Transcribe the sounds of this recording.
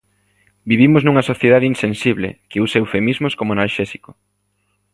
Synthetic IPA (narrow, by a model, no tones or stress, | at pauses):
biβimʊznuŋɐsoθjeðaðeinsẽnsiβlɪ̰kɪusewfemizmoskomoanalʃɛsiko̥